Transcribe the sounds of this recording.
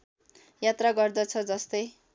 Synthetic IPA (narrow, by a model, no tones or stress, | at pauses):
jat̪raɡʌrd̪ʌt͡sʰʌd͡zʌst̪ʌj